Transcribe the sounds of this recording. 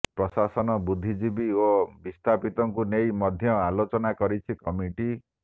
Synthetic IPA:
pɾɔsasɔnɔbud̪ʱːid͡ʒibiobist̪ʰapit̪ɔŋkunejmɔd̪ʱjɔalot͡ʃɔnakɔɾit͡ʃʰikɔmiʈi

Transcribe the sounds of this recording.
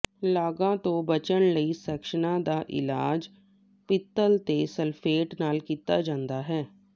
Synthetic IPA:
laːɡãːt̪õːbət͡ʃənləiːsɛːkʃənãːd̪aːʔɪ̰laːd͡ʒ | pɪt̪ːəlt̪eːsəlpʰeːʈnaːlkiːt̪aːd͡ʒãːnd̪aːɦɛː

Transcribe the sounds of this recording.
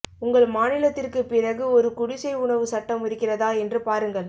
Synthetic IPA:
ʊŋɡɐɭmaːnɪlɐt̪ːɪrkɯpɪrɐɣɯɔɾɯkʊɽɪsɐɪʊɳɐʋɯsɐʈːɐmɪɾɯkːɪrɐðaːɛndrɯpaːɾɯŋɡɐɭ

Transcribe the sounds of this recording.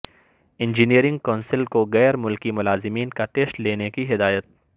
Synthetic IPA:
ɪ̃nd͡ʒiniəɾɪ̃ŋɡ̚kaːnsɪlkoɣɛːɾmʊlkimʊlaːzɪmiːnkaʈeːsʈleːnekiɦɪd̪aːjət̪̚

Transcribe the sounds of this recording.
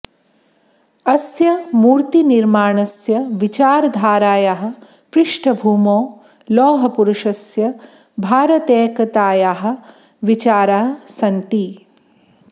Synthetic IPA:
ɐsjɐmuːɾt̪iniɾmaːɳɐsjɐʋit͡ʃaːɾɐd̪ʱaːɾaːjaɦɐ̆ | pɾɪʂʈʰɐbʱuːmoː | lɔːɦɐpuɾuʂɐsjɐ | bʱaːɾɐt̪eːkɐt̪aːjaɦɐ̆ | ʋit͡ʃaːɾaːɐsɐnt̪i

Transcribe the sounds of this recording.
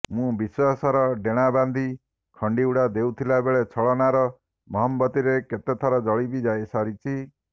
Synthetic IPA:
mũbiswasɔɾɔɖeɽ̃aband̪ʱi | kʰɔɳɖiuɽad̪ewt̪ʰilabeɭet͡ʃʰɔɭɔnaɾɔ | mɔɦɔmbɔt̪iɾeket̪et̪ʰɔɾɔd͡ʒɔɭibid͡ʒajsaɾit͡ʃʰi

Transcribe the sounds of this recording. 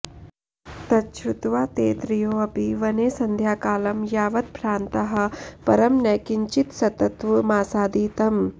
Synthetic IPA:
t̪ɐtt͡ʃʰut̪ʋaːt̪eːt̪ɾijoːɐpiʋɐneːsɐnd̪ʱjaːkaːlɐmjaːʋɐt̪̚pɾaːnt̪ɐɦɐ̆pɐɾɐmnɛkiɲt͡ʃit̪sɐt̪ɐt̪ʋɐmaːsaːd̪iːt̪ɐm

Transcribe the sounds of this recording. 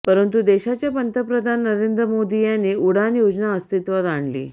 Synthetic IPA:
pəɾənt̪̬ud̪eɕat͡ɕjapənt̪ʰəpɾəd̪ʱanːəɾend̪ɾəmod̪ijaneʔuɽ̤anjod͡znaəst̪it̪ʋat̪aɳlḭː

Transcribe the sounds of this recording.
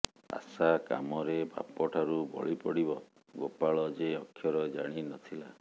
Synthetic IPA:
a̰saka̰mɔɾebʱa̰pɔʈʰaɾubɔ̰ɭipɔɽibɔ | ɡopaɭɔd͡ʒeɔkʰːjɔɾɔd͡ʒaɽ̃inɔt̪ʰila

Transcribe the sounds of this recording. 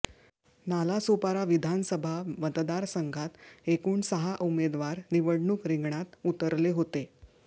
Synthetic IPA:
nalasopaɾaʋid̪ʱansəbʱamət̪d̪aɾsəŋɡʱat̪ekuːɳsəɦaʔumed̪ʋaɾniʋəɽɳuːkɾiŋɡɳat̪ut̪əɾleɦot̪e

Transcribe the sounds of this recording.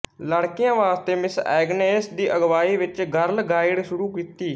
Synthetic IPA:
ləɽkɪjãːʋaːst̪eːmɪsɛ̰ːɡneːsd̪iːʔəɡʋaːiːʋɪt͡ʃɡəɾlɡaːɪɽʃʊɾuːkiːt̪iː

